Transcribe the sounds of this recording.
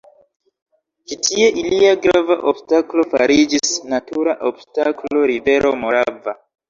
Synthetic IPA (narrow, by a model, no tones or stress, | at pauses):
t͡ʃitʰie̞ʔiliaɡɾavaʔobstaklo̞faɾid͡ʒisnatuɾaʔobstaklo̞ɾive̞ɾʔo̞mo̞ɾava